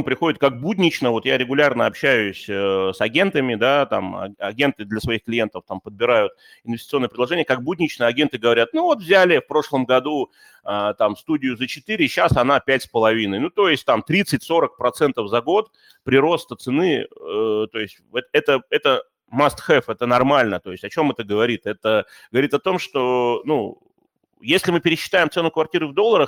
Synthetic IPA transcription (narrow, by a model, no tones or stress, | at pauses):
mpɾʲɪxo̞dʲɪt̪kak̚budʲnʲɪt͡ɕnəvo̞t̪jaɾʲɪɡʊlʲarnəɐpɕæjʊsʲəsɐɡʲe̞nt̪əmʲɪd̪at̪a̰mɐ̰ɐ̰ɡʲe̞nt̪ɨd̪lʲɐsvɐixklʲɪje̞nt̪əft̪ampəd̪̚bʲɪɾajʊt̪̚ | ɪnvʲɪsʲtʲɪ̥t̪so̞nːəpɾʲɪd̪lˠɐʐɛnʲɪjəkak̚budʲnʲɪt͡ɕnəɐɡʲe̞nt̪ɨɡəvɐɾʲat̪̚nuvo̞t̪vzʲælʲɪfpɾo̞ʂlˠəmɡɐd̪u | ət̪amfst̪udʲɪjʊzət͡ɕɪt̪ɨɾʲɪɕːasɐnapʲætʲspəlˠɐvʲinɨjnut̪o̞jɪsʲt̚ʲt̪amt̪ɾʲit̪sɨtʲso̞ɾək̚pɾɐt̪sɛnt̪əfzɐɡo̞t̪ | pɾʲɪɾo̞st̪ət̪sɨnɨ | t̪o̞ɪsʲtʲɛt̪ɛt̪əɛt̪ə | mast̪xɛfɛt̪ənɐrmalʲnət̪o̞ɪsʲtʲɐt͡ɕo̞mɛt̪əɡəvɐɾʲit̪ɛt̪ə | ɡəvɐɾʲit̪ɐt̪o̞mʂt̪o̞nu | jesʲlʲɪmɨpʲɪɾʲɪɕːɪ̥t̪aɪmt̪sɛnʊkvɐrtʲiɾɨvd̪o̞lˠːəɾəx